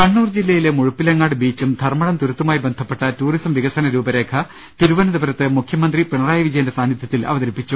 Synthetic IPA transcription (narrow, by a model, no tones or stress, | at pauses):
kɐɳːuːrd͡ʑilːɐjile̞muɻupːilɐŋːaːɽɨbiːt͡ɕːumd̪ʱɐrmɐɽɐmt̪uɾut̪ːumaːjibend̪ʱɐpːeʈːɐtuːrisɐmʋiɡɐsɐnɐɾuːbɐɾe̞ːkʰɐ | t̪iɾuʋɐnɐd̪ɐbɐɾɐt̪ːɨmukʰjɐmɐnd̪ripeɳɐraːjɐʋid͡ʑɐjɐnde̞saːnjɐt̪ʰjɐt̪ːilɐ̰ʋɐðɐɾipːit͡ɕːu